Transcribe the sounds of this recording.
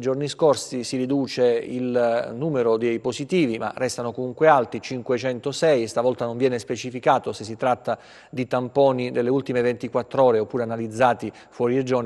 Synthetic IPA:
d͡ʒorniskorsisiɾid̪uːt͡ʃeḭlnuːmeɾod̪ejpozit̪iːvima̰rɛst̪anokomuŋkwealt̪it͡ʃiŋkwet͡ʃɛnt̪osɛjst̪avɔlt̪anoɱvjɛːnespet͡ʃifikaːt̪osesːit̪ɾat̪ːa | d̪it̪ampɔːnid̪elːeult̪imevent̪ikwat̪ːɾɔːɾeopːuːɾeanalid̪zːaːt̪i | fwɔːɾied͡ʒorn

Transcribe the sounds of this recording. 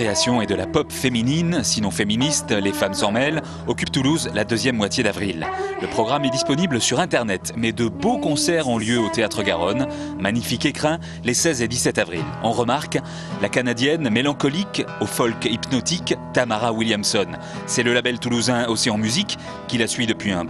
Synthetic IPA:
easjɔ̃ed̪əlapɔpfemininsinɔ̃feminist̪lefamsɔ̃mɛl | ɔkʲyp̚t̪uluzlad̪øzjɛmːwat̪jed̪avʁilləpχɔɡʁamɛd̪ispɔnibləsyʁɛ̃t̪ɛʁnɛt̪mɛd̪əbokɔ̃sɛʁɔ̃ljøot̪eat̪χəɡa̰ʁɔn | maɲifikekχɛ̃ | lesɛzed̪isɛt̪avʁilɑ̰̃ʁəmaʁk | lakanad̪jɛnmelɑ̃kɔlikofɔlkipnɔt̪ikt̪amaʁawiljamsɔn | sɛləlabɛlt̪uluzɛ̃osiɑ̃myzikː | ilasɥid̪əpɥiɛ̃

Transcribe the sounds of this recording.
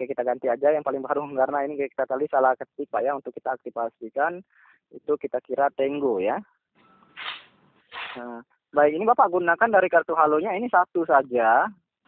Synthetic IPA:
kajakit̪aɡant̪iad͡ʒajaŋpalɪŋbaɾukarnainikajaki̥t̪at̪alisalahkət̪ipaʔjaunt̪ʊkːit̪aːk̚t̪ifasikan | it̪ukit̪akiɾat̪ɛŋɡoja | ə | baik̚inibapaʔɡunakandaɾikart̪uɦaloɲainisat̪usad͡ʒa

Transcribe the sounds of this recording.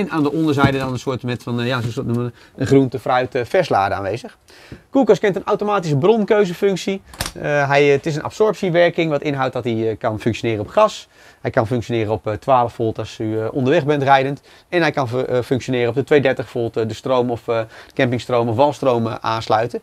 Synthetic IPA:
ɛnaːndəʔɔndəɹzɛjdədɑnənsʊːtmɛtfɑnjaːssmə | əχruntəfraɥtfɛsla̰ːdəa̰ːnʋejzəχ | kukɑskɛntənawtomaːtis̬əbrɔnkøɥzəfɵŋksi | ɦɛjətɪs̬ənʔɑ̰psɔɹpsiʋɛɹkɪŋʋɑtɪnɦawt̚dɑtikɑnfɵŋkʃonɪːrəɔpχɑs | hɛjkɑnfɵŋkʃonɪːɾəɔptʋaːləfoːblˠtɑsyʔɔ̰ndəɹʋɛχbɛntrɛjdənt | ɛnɦɛjkɑnfɵŋkʃonɪːɾəɔb̚dətʋejdɛɹtəχbə̥foːbəlˠtdəstrowmɔfdəkɛmpɪŋstrowmɔfʋɑlˠstrowməʔaːnslœɥtə

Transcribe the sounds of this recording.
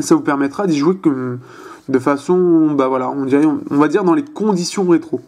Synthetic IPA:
savupɛʁmɛt̪χad̪iʒuwekm | d̪əfasɔ̃bavwalaɔ̃d̪iʁɛɔ̃ɔ̃vad̪iʁd̪ɑ̃lekɔ̃d̪isjɔ̃ʁet̪χo

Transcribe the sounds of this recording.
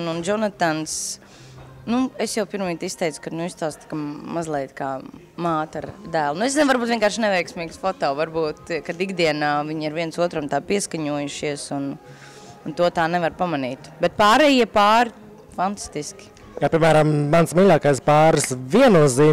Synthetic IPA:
nund͡ʒɔnat̪ans | nuesjawpiɾmiːt̪ist̪ɛjt̪sʊ̥kad̪nuist̪aːst̪kamazlˠɛjt̪kaː | maːt̪aɾd̪æːlˠnuesznvaɾbuːt̪viɛŋkaːɾʃnɛʋɛjksmiːɡsfɔt̪ɔːʋaɾbuːt̪kad̪iɡd̪iɛnaːviɲiɾʋiɛnsuɔt̪ɾɔmt̪aːpiɛskaɲuɔjuʃiɛsun | nt̪uɔt̪aːnɛvaɾpamaniːt̪bɛt̪̚paːɾɛjiɛpaːɾi | fant̪ḁst̪iskʲi̥ | kaːpʲiɛmæːɾamːansmiʎʲaːkajspaːɾsviɛnuɔziː

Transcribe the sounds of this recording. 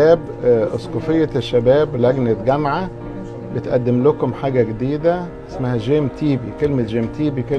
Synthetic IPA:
æːb | ʔosˤkofejːaʃːæbæːbwlæɡnet̪ɡæmʕa | bet̪ʔæ̰d̪ːemlʊkomħaːɡæɡed̪iːd̪æ | ʔesmæhæʒeːmt̪iːbikelmet̪ʒeːmt̪iːbike

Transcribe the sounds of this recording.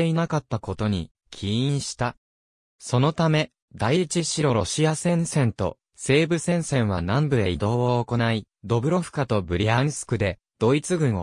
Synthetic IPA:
einakat̪ːako̞t̪o̞ɲ̟ḭ | kʲʰiĩɰ̃ɕi̥t̪a | so̞no̞t̪ame̞ | d̪ait͡ɕiɕiɾo̞ɾo̞ɕiasẽ̞ɰ̃sẽ̞nt̪o̞̰ | se̞ːbɯ̟sẽ̞ɰ̃sẽ̞ɰ̃βa̰nãmbɯ̟ɾe̞id̪o̞ːβoːko̞nai | d̪o̞bɯ̟ɾo̞ɸɯ̟̥kat̪o̞bɯ̟ɾʲiaɲisɨ̥kɯ̟d̪e̞ | d̪̥o̞it͡sɨɡɯ̟̃ɰ̃o̰

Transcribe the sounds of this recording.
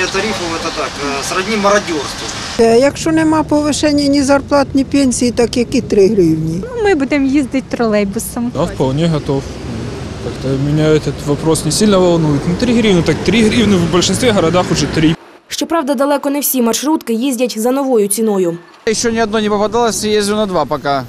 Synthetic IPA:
ɛt̪ɐɾʲifɐlˠɛt̪ɐt̪aksɾɐdʲnʲimɐɾɐdʲorst̪ʊ | ɛjɐkʃt͡ʃɔnɛmɑpɔʋɪʃɛnʲːɐnʲizɐrplˠɑt̪nʲipʲenʲsʲijit̪ɑkjɐkit̪ɾɪɦɾɪwnʲinmɪbud̪emjizʲd̪ɪt̚ʲt̪ɾɔlˠɛjbʊsɐmd̪afpɐlˠnʲeɦɐt̪of | n | kɑkt̪ɐmʲɪnʲaɛt̪ɐt̪ʋɐpɾosnʲɪsʲilʲnɐʋɐlˠnujɪt̪nʊt̪ɾʲiɦɾʲiwnɨt̪ak̚t̪ɾʲiɦɾʲiwnɨvbɐlʲʂɪnst̪vʲeɦɐɾɐd̪axʊʐɛt̪ɾʲi | ʃt͡ʃɔpɾɑwd̪ɐd̪ɐlˠɛkɔnɛwsʲimɐʃɾut̪kɪjizʲdʲɐtʲzɐnɔʋɔjʊt͡sʲinɔjʊ | jɪɕːonʲɪɐd̪nonʲɪpɐpɐd̪alˠɐsʲjezʲʊnɐd̪ʋapɐka

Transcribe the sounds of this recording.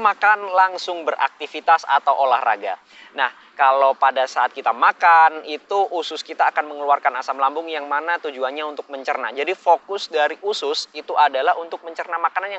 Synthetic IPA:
makanlaŋsʊŋbərʔa̰k̚t̪ifit̪asa̰t̪awʔola̰hra̰ɡa | nah | kalowpadasaːt̪̚kit̪amakanit̪uʔusʊskit̪aːkanməŋəluarkanasamlambʊŋjaŋmanat̪ud͡ʒuanɲaunt̪ʊk̚məɲt͡ʃərnad͡ʒadifokʊsdaɾiʔusʊsit̪uʔadalaɦunt̪ʊk̚məɲt͡ʃərnamakananja

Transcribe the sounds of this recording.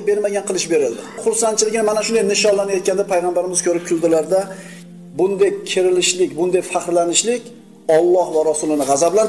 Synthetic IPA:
be̞ɾmaɡʲanqʰɨlˠɪʃbe̞ɾɪld̪ɪχʊɾsant̪t͡ʃʰɪlɪɡʲɪnɪmanaʃʊnd̪ajnɪʃɒnlanajɒt̪̚ʲʰand̪apʰajʁambaɾɪmɪz̥kʲʰɵɾɪp̚kʰɪlˠd̪ɪlaɾd̪a | bʊnd̪ajkʲʰɪɾɪlɪʃlɪkʲbʊnd̪ajfaqɾlanɪʃlɪkʲ | ɒlˠːɒhvaɾasʊlˠɪnɪʁɑzablan

